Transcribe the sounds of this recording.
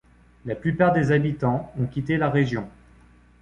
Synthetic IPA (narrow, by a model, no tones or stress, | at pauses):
laplypaʁd̪ezabit̪ɑ̃ɔ̃kʲit̪elaʁeʒjɔ̃